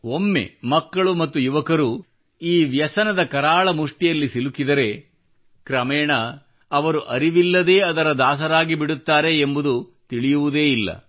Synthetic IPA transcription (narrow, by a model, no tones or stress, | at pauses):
o̞mːe̞̰mɐkːɐɭumɐt̪ːujuʋɐkɐɾu | iːʋjɐsɐnɐd̪ɐkɐɾaːɭɐmuʂʈijɐlːisilukid̪ɐɾe̞ | kɾɐmɛːɳɐ | ɐʋɐɾuʔɐɾiʋilːɐd̪e̞ːɐd̪ɐɾɐd̪aːs̬ɐɾaːɡibiɽut̪ːaːɾe̞ːmbud̪ut̪iɭijuʋud̪e̞ːilːɐ̰